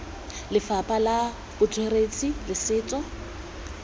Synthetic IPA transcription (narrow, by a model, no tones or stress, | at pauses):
lɪfapʼala | bʊt͡sʰʼweret͡sʼilɪsɪːt͡sʼɔ